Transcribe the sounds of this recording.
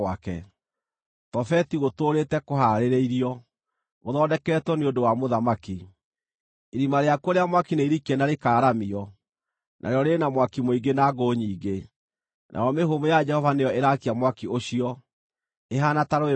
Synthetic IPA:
akɛ̰ | tɔfɛtiɣotoɾetɛkohaɾeɾeiɾiɔ | ɣoðɔːdɛkɛːtwɛneondowamoðamaki | iɾimaɾeakoɾeamwakineiɾikɛnaɾekaːɾamiɔ | nʔa̰ɾeɔɾenamwakimoiɡenaɡoɲiːɡe | nʔa̰jɔmeɦomojad͡ʒɛhɔvanejɔeɾakiamwakioɕiɔ | eɦanataɾoe

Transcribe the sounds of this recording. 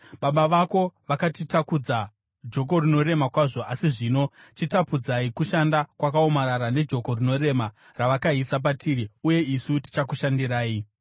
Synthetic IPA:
ɓaɓaʋako̞ʋakatitakud͡za | d͡ʒo̞k̬o̞rino̞ɾe̞makwaʐo̞asiʐino̞ | t͡ʃitapud͡zaikuʃandakwakao̞maɾaɾane̞d͡ʒo̞ko̞rino̞re̞ma | raʋakaisap̬atʰiɾiuje̞isuti̥t͡ʃakuʃandiɾaːi

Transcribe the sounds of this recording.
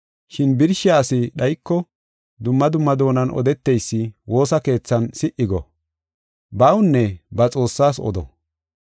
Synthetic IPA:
ʃɪnbɪɾʃɪjaːsɪɗɐjkːɔ | d̪ʊmːɐd̪ʊmːɐd̪o̞ːnɐnɔ̰d̪ɛt̪ːɛjsːɪwo̞ːsɐke̞ːt͡sːɐnsɪʔɪɡɔ | bɐwʊnːɛbɐt͡sʼo̞ːsːaːsɔ̰d̪ɔ̰

